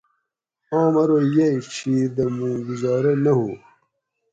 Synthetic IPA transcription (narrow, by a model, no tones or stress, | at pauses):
ɑːmɐɾojɐit͡ɕʰiːɾd̪ɐmũːɡuzɑːɾɐnɐɦu